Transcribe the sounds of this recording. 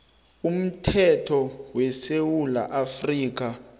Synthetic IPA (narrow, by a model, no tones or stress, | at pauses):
um̩tʰɛtʰɔwɛsewula̰ʔafriːk̬a